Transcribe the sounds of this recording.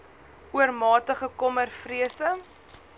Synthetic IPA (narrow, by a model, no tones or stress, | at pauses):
uərmɑːtəχəkɔmərfriəsə